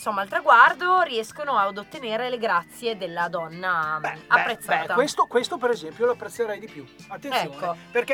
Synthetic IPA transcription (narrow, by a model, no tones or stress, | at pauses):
nsomːalt̪ɾaɡward̪oriɛskonoad̪ot̪ːeneːɾeleɡɾat̪sːjed̪elːad̪ɔnːaappːɾet̪sːaːt̪akwest̪okwest̪opeɾezɛmpjoloapːɾet̪sːeɾɛjd̪ipjuat̪ːenɛjokːoperke